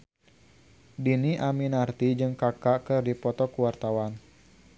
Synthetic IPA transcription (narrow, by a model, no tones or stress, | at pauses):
diniʔaminart̪id͡ʒɨŋkakakɨrdipɔt̪ɔkuwart̪awan